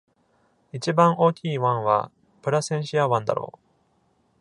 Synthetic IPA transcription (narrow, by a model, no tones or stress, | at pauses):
it͡ɕibãɰʔo̞ːkʲiːβãɰ̃βa̰ | pɯ̟ɾasẽ̞ɰ̃ɕiaβãnd̪a̰ɾʔo̰ː